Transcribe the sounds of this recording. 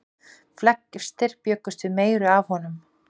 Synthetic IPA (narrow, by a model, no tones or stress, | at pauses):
flɛkːɪ̥st̪ɪr̥pjœkːʏ̥st̪vɪðmeːjɾʏavhɔnʏm